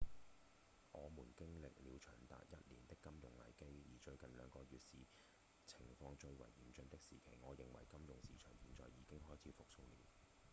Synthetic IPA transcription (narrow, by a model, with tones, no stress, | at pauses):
ʔɔː˨˧muː˨˩nkɪ˥ŋlɪ˨k̚liː˨˧wt͡ʃʰœ̰ː˨˩ŋt̪a̰ː˨t̚jɐ˥t̚liː˨˩nt̪ɪ˥kːɐ˥mjʊ˨˩ŋlɐ̰˨˩jke˥jjiː˨˩t͡ʃɵ˧ɥkɐ˨nlœ̰ː˨˧ŋkɔː˧ɥyː˨t̚siː˨ | t͡sʰɪ˨˩ŋfɔː˧ŋt͡ʃɵ˧ɥwɐ̰˨˩jːiː˨˥nt͡ʃɵ˧ŋt̪ɪ˥k̚siː˨˩kʰe˨˩jŋɔː˨˧jɪ˨ŋwɐ̰˨˩jkɐ˥mjʊ˨˩ŋsiː˨t͡ʃʰœː˨˩ŋjiː˨˧˦nt͡sɔ̰ː˨˩jiː˨˧kɪ˥ŋɦɔː˥˩jt͡sʰiː˨˧fʊ˨k̚so˧wliː˨˧w